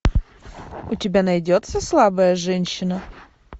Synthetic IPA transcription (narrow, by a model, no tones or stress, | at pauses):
ʊtʲɪbʲanɐjdʲot̪səslˠabəjəʐɛnʲɕːɪnə